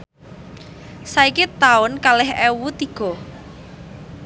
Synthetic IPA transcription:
saikit̪aʊnkalɪɦɛwut̪iɡ̥ɔ̤

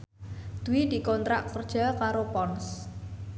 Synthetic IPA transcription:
d̪̥uwid̪̥i̤kɔnt̪ɾaʔkərd̥ʒ̥akaɾopɔns

